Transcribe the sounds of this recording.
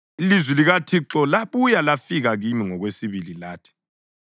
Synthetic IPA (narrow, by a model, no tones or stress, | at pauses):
ilizwiliɣatʰiǁɔlaβujalafiɣaɣimiŋɔɣwesiβililaːtʰi̥